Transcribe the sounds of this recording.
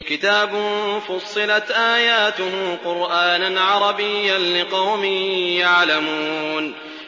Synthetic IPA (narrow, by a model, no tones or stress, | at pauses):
kɪt̪aːbʊnfʊsˤːɨlat̪ʔaːjaːt̪ʊɦqʊɾʔaːnanʕɑɾˤɑbɪjːanlɪqɑwmɪjaʕlamuːn